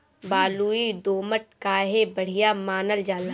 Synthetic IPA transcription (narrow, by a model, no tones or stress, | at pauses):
baːluid̪oːməʈ̚kaɦebɐɽ̤ɪjamaːnəld͡ʒaːla